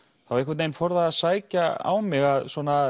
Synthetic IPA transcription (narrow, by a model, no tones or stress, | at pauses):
θavɾɪɛkvat̪nejnfɔɾðaːðsaːjcaa̰wmɪɣaðswɔna